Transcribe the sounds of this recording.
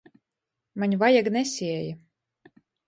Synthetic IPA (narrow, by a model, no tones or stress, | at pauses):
maɲʲvajaɡnɛsʲiɛja